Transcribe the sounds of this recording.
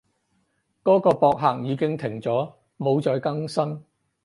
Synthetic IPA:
kɔː˨˥kɔː˧pɔː˧k̚ɦaː˨˧k̚jiː˨˧kɪ˥ŋt̪ʰɪ˨˩ŋt͡sɔː˨˥ | mo˨˧wt͡sɔː˨˧jkɐ˥ŋsɐ˥n

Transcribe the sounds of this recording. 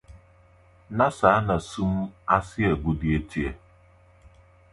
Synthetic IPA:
na˦sa˨˦na˨su˦m̩˦a˦sɪ˦e˨ɡu˨di˨e˦ti˦e˦

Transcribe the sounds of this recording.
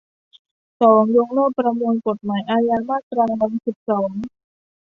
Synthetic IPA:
sɔː˩˦ŋjo˧ŋlɤː˥˩k̚pːɾa˧mu˧ənko˨˩t̪̚maː˩˦jʔaː˧jaː˧maː˥˩t̪ɾaː˧wa˧nsi˨˩p̚sɔː˩˦ŋ

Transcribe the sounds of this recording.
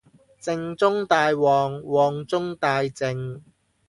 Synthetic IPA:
t͡sɪ˧ŋt͡sʊ˥ŋt̪aː˧jwɔː˨ŋwɔː˨ŋt͡sʊ˥ŋt̪aː˧jt͡sɪ˧ŋ

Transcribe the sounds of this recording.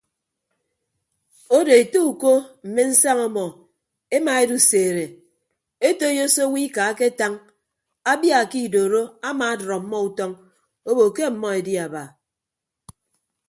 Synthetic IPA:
o˦de˨e˨to˦u˨ko˦m̩˨me˦n̩˦sa˦ŋɔ˦mɔ˨ | e˦ma˨e˦du˦seː˨ɾe˨ | e˦to˦jo˦so˦wi˦ka˨a˦ke˦ta˦ŋ | a˦bja˨ki˦˨doː˨ɾo˦a˦maː˨a˦dɾɔ˨m̩˦mɔ˦u˦tɔ˦ŋ | o˦bo˨ke˦m̩˨mɔ˦e˨di˦a˨ba˨

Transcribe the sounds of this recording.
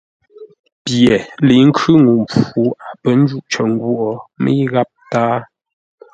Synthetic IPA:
pjɛ˨li˨˦ŋ̩˦kʰʉ˦ŋu˨mp͡fu˨˦a˨pə˦n˦d͡ʒu˦˨ʔt͡ʃə˨ŋ˦ɡwɔ˨mḭ˦ɣa˦p̚ta˦

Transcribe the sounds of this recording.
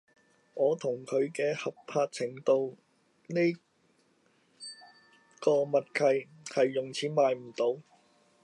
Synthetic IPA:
ŋɔː˨˧t̪ʰʊ˨˩ŋkʰɵ˨˧ɥkɛː˧hɐ˨p̚pʰaː˧t̚t͡sʰɪ˨˩ŋt̪o˨w | ne˥j | kɔː˧mɐ˨t̚kʰɐ˨j | hɐ˨jːʊ˨˩ŋt͡sʰiː˨˧˥maː˨jm̩˨˩t̪o˨˥w

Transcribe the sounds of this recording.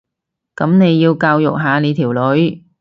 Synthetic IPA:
kɐ˨˥mne˨˧jːiː˧wkaː˧wjʊ̰˨k̚ɦaː˨˧ne˨˧jt̪ʰiː˨˩wlɵ˨˥ɥ

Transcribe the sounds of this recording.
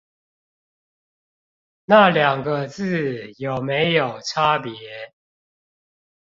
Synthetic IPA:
na˥˩˨ljɑ˨˩ŋɡə˦t͡sɹ̩˥˨jo˨˩ʊme˨˦ɪjo˨˩ʊʈ͡ʂʰa˦pjɛ˨˧˦

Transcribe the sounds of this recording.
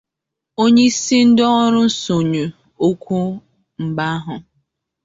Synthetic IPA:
o˦ɲe˦i˦si˦n̩˦dɔ˦ɔ˦ɾʊ˦n̩˦so˨ɲu˨ | o˦kʷu˦ | ŋ͡m̩˨ɡ͡ba˦a˦ɦʊ˨

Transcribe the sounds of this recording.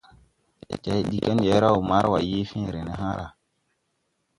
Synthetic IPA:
ḛ˨t͡ʃɛ˨˦ɗi˦ke˦njɛ˨˦ɾa˦u˨ma˦ɾwa˨je˦fĩ˦˨ɾe˨ne˨ɦã˦ɾʔa̰˨

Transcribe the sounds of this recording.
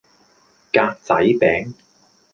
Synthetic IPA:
kaː˧k̚t͡sɐ˨˥jpɛː˨˥ŋ

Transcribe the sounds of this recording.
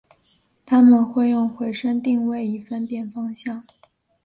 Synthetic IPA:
t̪ʰa˥mə˨nxwe˥˧ɪjʊ˥˩ŋxwe˧˥ɪʂə˥ŋt̪i˥˧ŋwe˥˩ɪi˧˥˩fə˥˧npjɛ˥˩nfɑ˥ŋɕjɑ˥˩ŋ

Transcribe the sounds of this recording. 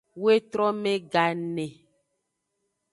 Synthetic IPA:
we˦t̪ɾɔ˦mẽ˦ɡa˨nẽ˨

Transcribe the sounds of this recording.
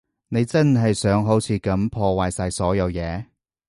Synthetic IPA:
ne˨˧jt͡sɐ˥nɦɐ˨jsœː˨˥ŋɦo˨˥wt͡sʰiː˨˧kɐ˨˥mpʰɔː˧waː˨jsaː˧jsɔː˨˥jɐ˨˧wjɛː˨˧

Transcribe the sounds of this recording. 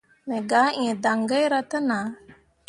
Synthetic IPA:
me˨ɡa˨˦ʔĩ˨da˨ŋɡa˦ɾa˦tə˦na˨˦

